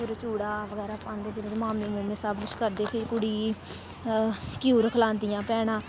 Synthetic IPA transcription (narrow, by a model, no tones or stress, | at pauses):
ʊɾt͡ʃuːɽaːʋəɡɛːɾaːpãːnd̪eːt̪enːmaːmiːmũːmẽːsaːbʊt͡ʃkəɾd̪eːpʰɪkʊɽiː | kjuːɾəkʰəlãːnd̪ɪjãːpɛːɽ̃ãː